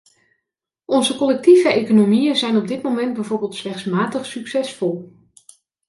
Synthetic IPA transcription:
ɔnzəkɔlɛk̚tivəejkonomijənzɛjnɔb̚dɪtmomɛnd̚bɛjvoːɹbɪːlˠtslɛχsmaːtəχsyksɛsfɔlˠ

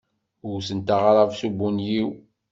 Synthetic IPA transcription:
ʊɾsənt̪aʁɾˤɑvsubunjiw

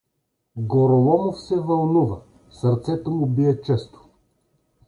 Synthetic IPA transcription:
ɡoɾolˠɔmofsɛvɐlˠnuvə | sɐɾt̪sɛt̪omʊbiɛt͡ʃɛst̪ʊ̥

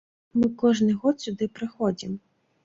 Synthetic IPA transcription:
mɨkɔʒnɪjɣɔt̪sʲʊd̪ɪpɾɪxɔdʲim

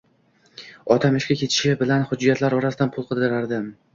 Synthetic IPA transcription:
ɒt̪ʰamɪʃkʲakʲʰe̞t̪ʰɪ̥ʃɪbɪlanhʊd͡ʒːijat̪ʰlaɾɒɾasɪd̪anpʰʊlˠqʰɨlˠd̪ɪɾaɾd̪ɪ

